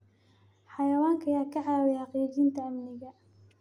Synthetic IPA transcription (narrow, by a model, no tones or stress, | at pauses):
ħɑjɐwaːŋkʰɐjaːkʰɐʕaːwɛjħɑqiːt͡ʃint̪ʰɐɐmnɪɣɐ